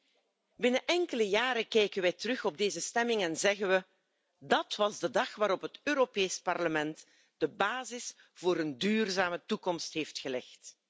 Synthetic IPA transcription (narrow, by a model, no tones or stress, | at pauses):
bɪnəʔɛŋkələjaːɾəkɛjkənʋɛjtərɵxɔb̚deːzəstɛmɪŋɛnzɛɣənʋə | dɑtʋɑzdədɑxʋaːɾɔpɦətøːɾopeːspɑrləmɛnt | d̥əbaːzɪs | v̥oːɾəndyːrzaːmətukɔmstɦeːftxəlɛxt